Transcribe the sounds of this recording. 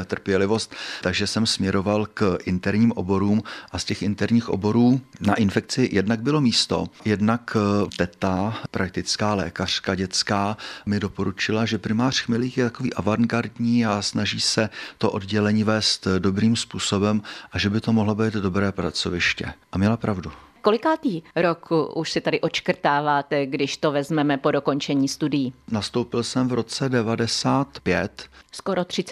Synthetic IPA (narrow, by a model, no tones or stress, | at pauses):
t̪r̩pjɛlɪvo̞st̪t̪aɡʒɛsɛmsmɲɛɾo̞valkʔɪnt̪ɛɾɲiːmʔo̰bo̞ɾuːmʔascɛxʔɪnt̪ɛɾɲiːxʔo̞̰bo̞ɾuːnaʔɪnfɛkt͡sɪjʔɛdnaɡ̚bɪlo̞miːst̪o̞̰jɛdnakt̪ɛt̪apɾʔak̚t̪ɪt͡skaːlɛ̰ːkar̝̥kaɟɛt͡skaːmɪdo̞po̞ɾut͡ʃɪlaʒɛpɾɪmaːr̝̥xmɪliːxjɛt̪ako̞vḭːʔavaŋɡaɾdɲiːasnaʒiːsɛt̪o̞ʔo̞dɟɛlɛɲiːvɛːst̪do̞bɾiːmspuːso̞bɛmʔaʒɛbɪt̪o̞moɦlobɛːd̪do̞bɾɛːpɾat͡so̞vɪʃcɛ̰ʔamɲɛlapɾavdu | kolɪkaːt̪iːɾokʰuuʃsɪt̪adɪʔot͡ʃkr̩t̪aːvaːt̪ɛɡdɪʃt̪ovɛzmɛmɛpodoko̞nt͡ʃɛɲiːst̪udɪjinast̪owpɪlsɛmvɾo̞t͡sɛdɛvadɛsaːt̪pjɛt̪skoɾot̪r̝̥ɪ